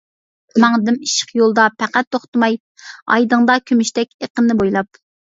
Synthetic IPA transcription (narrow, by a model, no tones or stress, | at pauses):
mɑŋd̪ɪmiʃə̥qjolˠd̪ɑpʰæqæt̪ːoχt̪ɨmɑj | ɑ̰jd̪ɨŋd̪ɑkʲʰymyʃt̪ɛkʲeqənːɪbojlˠɑp